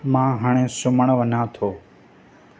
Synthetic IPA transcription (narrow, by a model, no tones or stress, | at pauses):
mãːɦaːɳ̃ẽːsʊməɳʋənãːt̪ʰoː